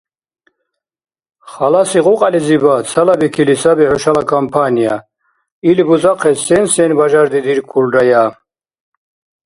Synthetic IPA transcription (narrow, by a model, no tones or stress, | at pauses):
χalasiʁuqʼalizibat͡sʰalabikʰilisabiʕɔʃalakʰampʰanija | ilbuzaqʰɛsɛnsɛnbaʒaɾd̪id̪iɾkʰulɾaja